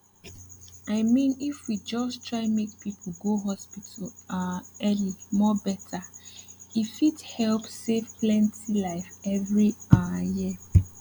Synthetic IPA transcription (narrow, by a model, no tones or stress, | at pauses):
aɪmĩnifwid͡ʒɔstʰɹaɪmek̚pipʰl̩ɡoɦɔspitʰəlaɛlimɔbɛtʰa | ifidhɛlpsevplɛ̃ntʰilaɪfɛvɹiaji